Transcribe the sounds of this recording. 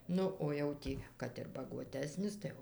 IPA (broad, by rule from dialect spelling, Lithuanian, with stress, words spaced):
ˈnʊ oː jɛʊ ˈtʲiː kɐt ɪr bɐɡuɔˈtʲæːsʲnʲɪs tɐɪ ˈjɛʊ